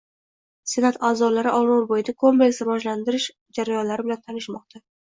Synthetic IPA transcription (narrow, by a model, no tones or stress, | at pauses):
se̞nat̪ʰaːzɒlaɾɪʔɒlˠoɾbojɪd̪akʰo̞mple̞ksɾvɒd͡ʒland̪ɪɾɪʃ | d͡ʒaɾajɒnlaɾɪbɪlant̪ʰanɪʃmɒq̚t̪ʰa